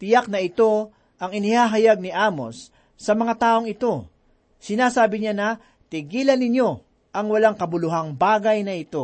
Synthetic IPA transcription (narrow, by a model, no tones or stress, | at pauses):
t̪ɪjak̚nɐɪt̪o̞ | ʔɐŋɪnɪhaɦɐjaɡ̚nɪʔaːmo̞̰sː | ɐmɐŋat̪aːʔo̞ŋɪt̪o̞ | sɪnaːsaːbɪɲanɐ | t̪ɪɡiːlɐnːɪɲjo̞ | ʔɐŋwɐlaŋkɐbʊlʊɦaŋbaːɡɐjnɐɪt̪o̞